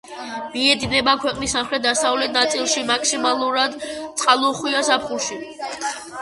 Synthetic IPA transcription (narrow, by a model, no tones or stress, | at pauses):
biɛd̪inɛbakʰwɛqʼnisːamχɾɛt̪̚d̪asavlɛt̪̚ʰnat̪sʼilˠʃimakʰsimalˠuɾad̪t̪sʼqʼalˠɔχwiasapχulˠʃi